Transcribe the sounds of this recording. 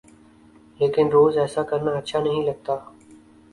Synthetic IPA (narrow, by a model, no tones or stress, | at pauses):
leːkɪnɾoːzɛːsakəɾnaːɐtːʃʰanɐɦĩːləɡ̚t̪aː